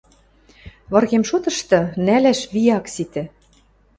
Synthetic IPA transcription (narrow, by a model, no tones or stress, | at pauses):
βɤ̆rɣemʃot̪ɤ̆ʃt̪ɤ̆nælæʃβijɑksit̪ɘ̆